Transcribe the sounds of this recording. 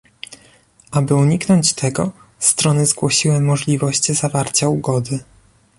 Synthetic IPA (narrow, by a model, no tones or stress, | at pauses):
ʔabɘuɲiknɔɲt͡ɕt̪ʰɛɡɔ̰st̪ɾɔnɘzɡwɔɕiwɛmːɔʐlʲivɔɕt͡ɕzavaɾt͡ɕauɡɔd̪ɘ